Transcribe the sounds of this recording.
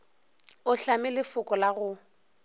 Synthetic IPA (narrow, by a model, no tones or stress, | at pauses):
ʊɬamɪlɪfʊkʼɔlaɣʊ